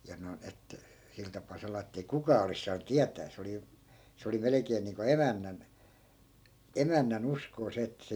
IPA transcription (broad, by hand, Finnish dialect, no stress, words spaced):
jɑ noi̯n et sil tɑpˑɑˑ sɑlɑː etːei kukɑː olis sɑːnŭ tiætæː se oli se oli melekeːn niːŋko emænːæn emænːæn uskoː se etːæ se